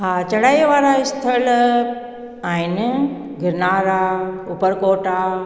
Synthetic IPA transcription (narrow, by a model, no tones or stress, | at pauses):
ɦãt͡ʃɐɽaːiʋaːɾaɪst̪ʰəl | ain | ɡɪɾnaːɾaʊpəɾkoːʈa